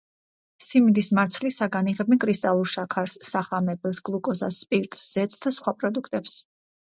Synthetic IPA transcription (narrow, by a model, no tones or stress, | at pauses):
simid̪ismaɾt̪sʰlisaɡaniʁɛbɛnkʼɾist̪ʼalˠuɾʃakʰaɾsːaχamɛbɛlˠsɡ̥lˠukʼɔza̰sːpʼiɾt̪ʼsz̥ɛt̪sʰd̪asχwapʼɾɔd̪ukʰt̪ʼɛps